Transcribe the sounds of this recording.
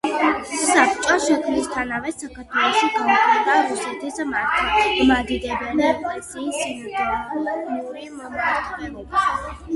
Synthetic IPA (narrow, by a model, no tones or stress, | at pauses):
sapʰt͡ʃʼɔʃɛkʰmnist̪ʰanavɛsakʰaɾt̪ʰwɛlˠɔʃiɡʰaɔtʰɛd̪aɾusɛt̪ʰismaɾt̪ʰimad̪id̪ɛbɛnd̪aɛpʼlɛsiːsinad̪ɛnuɾimɔmaɾt̪ʰlɛlɛbi